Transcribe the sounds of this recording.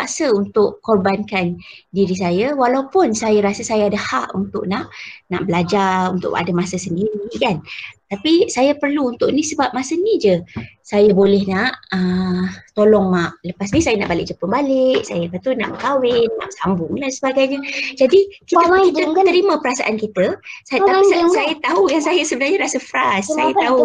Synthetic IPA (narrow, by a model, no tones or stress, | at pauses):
aʔsəunt̪ʊʔkːɔrbankandiɾis̬ajawalawupʊnsajaɾasəsajaadahaʔunt̪ʊ̰ʔnaʔna̰ʔbəlad͡ʒarrunt̪ʊ̰ʔa̰damasəsəndiɾikant̪apisajapərluːnt̪ʊʔnisəbap̚masənid͡ʒəsajabolɛhnaʔət̪olɔŋmaʔləpasnisajanaʔbalɪʔ̚d͡ʒəpəmbalɪʔsajapat̪una̰ʔbəkawɪnːa̰ʔsambʊŋlasəbaɡajɲəd͡ʒadikiəkit̪əət̪əɾimə̃pəɾasaʔankit̪əsat̪asasajat̪aɦujaŋsajasəbənarɲaɾasəfɾasːtajat̪aɦu